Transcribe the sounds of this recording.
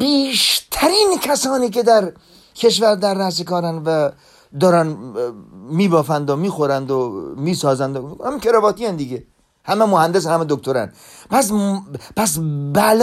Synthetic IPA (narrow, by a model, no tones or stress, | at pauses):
biːʃt̪ʰæɾinkʰæsɒːniːke̞d̪æɾ | kʰe̞ʃvæɾd̪æɾːæs̬ekɒːɾænvæ | d̪ɒːɾæn | miːbɒːfænd̪omiːxoɾænd̪omiːsɒːzænd̪ohæmikʰeɾɛvɒːt̪ijænd̪iɡe | hæmemohænd̪es̬hæmed̪ok̚t̪oɾæ̰n | pæs̬pʰæs̬bæl